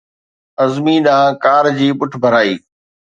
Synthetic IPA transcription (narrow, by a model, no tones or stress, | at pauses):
ɐzmiːɗãːkaːɾd͡ʑiːpʊʈʰbʱəɾaːiː